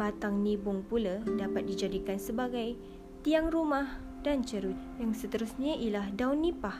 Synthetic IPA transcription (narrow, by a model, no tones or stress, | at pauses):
bat̪aŋnibʊŋpuladapat̪̚did͡ʒadikansəbaɡaj | t̪iaŋɾumah | d̥ant͡ʃəɾut̪̚jaŋsət̪əɾusɲaʔilahdawnːipah